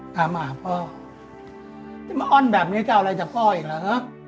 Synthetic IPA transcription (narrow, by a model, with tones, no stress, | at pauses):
t̪aː˨˦maː˨˩˨pɔː˧˩ | a˨˧˩m˧ʔɔ˥˩˨nbɛː˨˩p̚niː˦˥˩ka˧ɾa˧jt͡ɕaː˨˩pɔː˧˩ʔiː˨˩k̚laː˧˦ʔa˦˥